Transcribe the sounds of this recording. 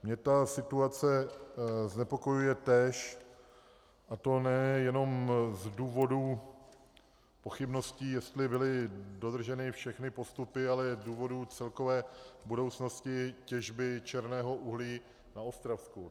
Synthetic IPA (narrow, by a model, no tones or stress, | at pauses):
mɲɛt̪asɪt̪uat͡sɛ | znɛpo̞ko̞jujɛt̪ɛːʃ | ʔat̪o̞nɛjɛno̞mzduːvo̞duː | po̞xɪbno̞sciːjɛst̪lɪbɪlɪdo̞d̪r̩ʒɛnɪfʃɛxnɪpo̞st̪upɪalɛduːvo̞duːt͡sɛlko̞vɛːbudo̞wt͡sno̞scɪcɛʒbɪt͡ʃɛɾnɛːɦo̞ʔuɦliː | naost̪ɾafsku